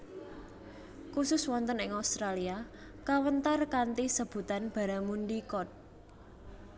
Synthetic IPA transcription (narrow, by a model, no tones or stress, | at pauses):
kusʊswɔnt̪ənɪŋaust̪ɾalia | kawənt̪arkant̪isəb̥ṳt̪anb̥a̤ɾamunɖikɔt̪̚